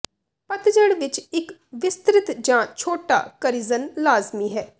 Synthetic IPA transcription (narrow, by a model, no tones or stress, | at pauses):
pət̪d͡ʒəɽʋɪt͡ʃɪkʋɪst̪ɾɪt̪d͡ʒãːt͡ʃʰoːʈa̰ːkəɾizənlaːzmiːɦɛː